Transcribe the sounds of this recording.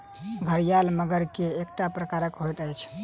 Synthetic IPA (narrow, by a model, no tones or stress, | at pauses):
bʱəɾijalməɡəɾkeːk̚ʈapɾəkaɾəkɦojt̪əjt͡ʃʰ